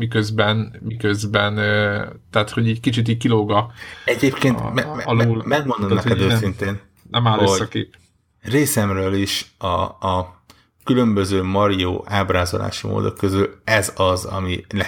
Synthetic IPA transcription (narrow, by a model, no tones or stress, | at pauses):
mikøzbɛnmikøzbɛnt̪ɛat̪ho̞ɟɛckit͡ʃit̪̬iːɟkiloɡɒɛɟeːpkeːn̰mɛɒlolmɛɡ̚mond̪omnɛkɛd̪øːssint̪eːn | nɛmaːløosɒkḛːp | reːsɛmrøːliʃɒ̰ | kylømbøzøːmɒɾio̰ːʔaːbɾaːzola̰ːʃimo̰ːd̪o̰kːøzylɛzɒzɒ̰milɛ